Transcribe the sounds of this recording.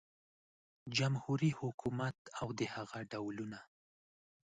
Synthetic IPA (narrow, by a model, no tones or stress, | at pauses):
d͡ʒamhuɾihʊkʰumat̪awd̪əhaɣaɖawluna